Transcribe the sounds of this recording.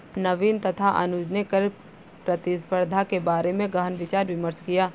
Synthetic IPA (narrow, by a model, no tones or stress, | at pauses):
nɐʋiːnt̪ɐt̪ʰaʔɐ̰nʊd͡ʒnekəɾ | pɾɐt̪ɪspəɾd̪ʱakebaːɾemẽɡəɦənʋɪt͡ʃaːɾʋɪməɾʃkijaː